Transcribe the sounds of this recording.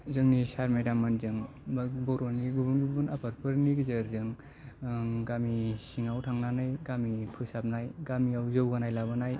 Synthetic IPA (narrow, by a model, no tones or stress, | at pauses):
zɯŋnisaɾmejdamanzɯŋ | bbɔɾoniɡubunɡubɯnapʰaɾpʰɯɾniɡizɯɾzɯŋ | ɡamisiŋawtʰaŋnanɯjɡamipʰɯsap̚najɡamiawzɯwɡanajlabɯnaj